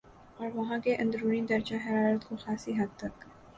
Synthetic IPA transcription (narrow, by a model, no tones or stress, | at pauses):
ɔːɾʋɐɦãkeʔɐ̃nd̪ɾuːnid̪ɐɾd͡ʒaɦɐɾaːɾət̪koxaːsiɦɐd̪̚t̪ɐk